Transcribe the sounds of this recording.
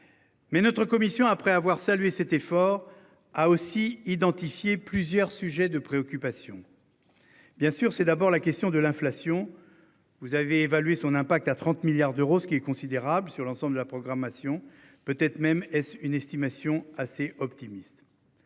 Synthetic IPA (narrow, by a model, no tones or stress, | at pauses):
mɛnɔt̪χəkɔmisjɔ̃apχɛavwaʁsalɥesɛt̪efɔʁ | aosiid̪ɑ̃t̪ifjeplyzjœʁsyʒɛd̪əpχeɔkʲypasjɔ̃ | b̥jɛ̃syʁsɛd̪abɔʁlakʲɛst̪jɔ̃d̪əlɛ̃flasjɔ̃ | vuzaveːvalɥesɔ̃nɛ̃pak̚t̪at̪χɑ̃t̪miljaʁd̪øʁosə̥kʲiɛkɔ̃sid̪eʁablsyʁlɑ̃sɑ̃bld̪əlapχɔɡʁamasjɔ̃ | pøt̪ɛt̪χmɛmɛsynɛst̪imasjɔ̃aseʔɔpt̪imist̪